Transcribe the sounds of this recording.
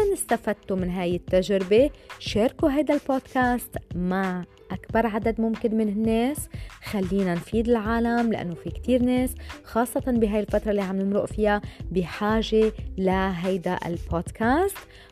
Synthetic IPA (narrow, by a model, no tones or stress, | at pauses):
anɪst̪afad̪t̪ːumɪnɦaːjɪt̪ːaʒɾɪbeʃeːɾkuɦajd̪alboːd̪kaːst̪maʕ | ʔakbɑɾˤʕad̪ad̪mʊmkɪnmɪnɪnːeːsxalːiːnanfiːd̪ɪlʕaːlamla̰ʔa̰nːofikt̪iːɾneːsxɑːsˤːɑt̪ɑnbɪɦajɪlfat̪ɾˤɑlːiʕamnɪmɾṵːʔfɪjabiħaːʒelaɦajd̪aʔɪ̰lpʰoːd̪kaːst̪